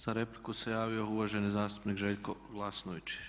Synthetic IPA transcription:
z̥aɾe̞plikuse̞jaːʋio̞uʋaʒe̞nizaːst̪u̥pnikʒeʎko̞ɡlˠasnoʋit͡ʃ

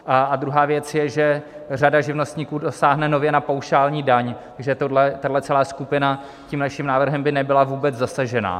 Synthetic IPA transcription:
ʔaad̪ɾuɦaːvjɛt͡sjɛʒɛ | r̝adaʒɪvnost̪ɲiːkuːdo̞saːɦnɛno̞vjɛnapawʃaːlɲiːdaɲt̪aɡʒɛt̪odlɛt̪adlɛt͡sɛlaːskupɪna | ciːmnaʃimnaːvr̩ɦɛmbɪnɛbɪlavuːbɛd͡zzasaʒɛna̰ː

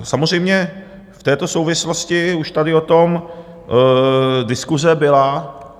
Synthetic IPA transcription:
samor̝ɛjmɲɛ | ft̪ɛːt̪o̞so̞wvɪslo̞scɪuʃt̪adɪot̪o̞m | dɪskuzɛbɪla

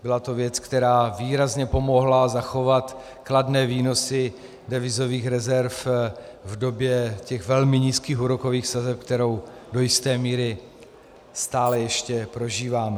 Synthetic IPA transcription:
bɪlat̪o̞vjɛt͡skt̪ɛɾaːviːɾazɲɛpomo̞ɦlazaxo̞vat̪ | kladnɛːviːno̞sɪ | dɛvɪzo̞viːxɾɛzɛɾf | vdo̞bjɛcɛxvɛlmɪɲiːskiːxuɾoko̞viːxsazɛp̚k̚t̪ɛɾo̞wdo̞jɪst̪ɛːmiːɾɪ | st̪aːlɛjɛʃcɛpɾo̞ʒiːvaːmɛ

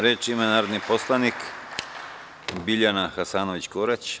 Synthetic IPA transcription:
ɾet͡ʃimanaːɾod̪niposlˠanik | biʎanaxasaːnoʋit͡ɕkoɾet͡ɕ

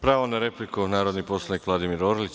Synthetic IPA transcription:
pɾaːʋonaɾeplikunaːɾo̞d̪nipo̞slˠanikʋlˠad̪imiɾoɾlit͡ɕ

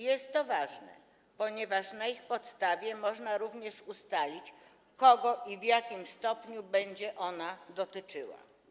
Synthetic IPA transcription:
jɛst̪ːɔvaʐnɛ̰ | pɔɲɛvaʂnaixpɔt̪st̪avʲjɛmɔʐnaɾuvɲɛʂust̪alʲit͡ɕ | kɔɡɔʔivjakʲimst̪ɔpɲubɛɲd͡ʑɛʔɔnad̪ɔt̪ɘt͡ʂɘwa̰

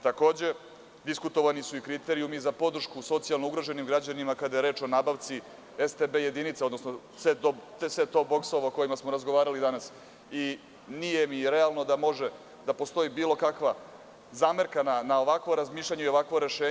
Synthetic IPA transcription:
t̪ako̞ːd͡ʑe̞ | d̪iskut̪o̞ʋanisuikɾit̪eɾijumizapo̞d̪r̩ʃkuso̞t̪sijalˠnouɡɾoʒenimɡɾad͡ʑanimakad̪ajeɾe̞ːt͡ʃo̞nabaʋt̪si | est̪ebeje̞d̪init̪seo̞d̪no̞sno | set̪ot̪sʋet̪o̞bo̞ksoʋaoko̞jimasmo̞ɾazɡoʋaːɾalid̪anas | i | nijemiɾealˠno̞d̪amo̞ʒe | d̪apo̞st̪o̞ibiːlˠo̞kakʋa | zaːmeɾkananao̞ʋakʋo̞ɾazmiːʃlʎʲaɲeio̞ʋakʋoɾe̞ʃeːɲ

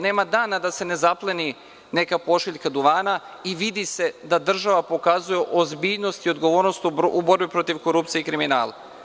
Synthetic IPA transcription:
ne̞ːmad̪aːnad̪ase̞ne̞zaplˠeni | ne̞kapo̞ʃiʎkad̪uʋaːna | iʋid̪ise̞d̪ad̪r̩ʒaʋapo̞kazujeʔozbiːʎno̞st̪io̞d̪ɡo̞ʋo̞ːɾnost̪ubo̞ɾbipɾo̞t̪iʋko̞ɾupt̪ieikɾimina̰ːlˠa̰

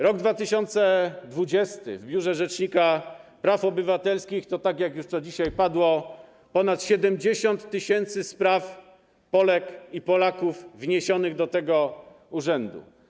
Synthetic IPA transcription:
ɾɔɡd̪vat̪ɘɕɔnt̪sɛd̪vud͡ʑɛst̪ɘ̰vbʲjuʐɛʐɛt͡ʂɲikapɾafɔbɘvat̪ɛlskʲixt̪ɔt̪akʲjakjuʂt̪ɔd͡ʑiɕajpad̪wɔ | pɔnat̪ɕɛd̪ɛmd͡ʑeɕɔnt̪ːɘɕɛnt̪sɘspɾaf | pɔlɛkipɔlakuvːɲeɕɔnɘɣd̪ɔt̪ɛɡɔ | uʐɛnd̪ṵ

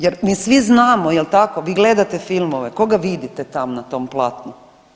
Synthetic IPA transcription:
jeɾmiːsʋiznaːmojelt̪ako̞ʋiːɡle̞d̪at̪e̞filmoʋe̞koɡaʋid̪it̪et̪amnat̪o̞mplˠaːt̪nu

